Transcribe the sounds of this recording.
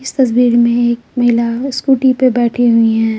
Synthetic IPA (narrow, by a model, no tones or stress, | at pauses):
ɪst̪ɐs̬biːɾmẽeːkmɐɦɪlaskuːʈipebɛːʈʰiɦʊiɦɛ̃ː